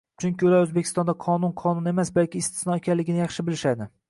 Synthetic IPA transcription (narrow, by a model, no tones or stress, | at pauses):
t͡ʃʰʊŋʲkʲɪolaɵzbekʲʰɪ̥st̪ɒnd̪aqʰɒnʊnqʰɒnʊne̞masbalkʲɪːst̪ʰɪ̥snɒekʲʰanlɪɡʲɪnɪjɑχʃɪbɪlɪʃad̪ɪ